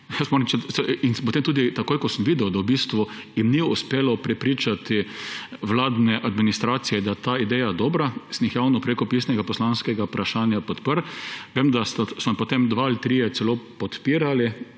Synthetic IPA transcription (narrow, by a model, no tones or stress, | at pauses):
jɛsmoːnɛmt͡ʃɛsɛinpɔt̪emt̪uːd̪it̪akoːjkɔsəmʋiːd̪ɛwd̪awbist̪ʋʊ | jɪmniʊspeːlɔpɾɛpɾit͡ʃat̪iʋlaːd̪nɛʔad̪minist̪ɾaːt̪sijɛd̪at̪aːid̪ɛjad̪ɔːbɾasnixjawnɔpɾekɔpisnɛɡapɔslanskɛɡaupɾʔaʃaːnjapɔt̪pəɾʋeːmd̪ast̪asmɔpot̪emd̪ʋaalt̪ɾiːjɛt̪sɛloːpɔt̪piːɾali